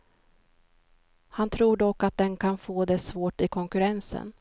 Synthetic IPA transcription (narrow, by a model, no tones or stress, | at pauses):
hant̪ʰɾuːɖɔkːat̪̚d̪ɛnkʰanfoːd̪ɛsvoːʈɪkʰɔŋkɵɾɛnsə̰n